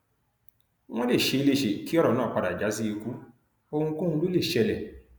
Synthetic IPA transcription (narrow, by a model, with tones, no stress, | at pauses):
w̃ɔ̃˦le˦˨ʃe˧i˧le˦ʃe˨ki˦ɔ˦ɾɔ˨nãː˦˨k͡pa˧da˨d͡ʒa˨˦si˦i˧ku˦ | o˧hũ˧kõ˦hũ˧˦lu˦le˦˨ʃɛ˧˨lɛ˨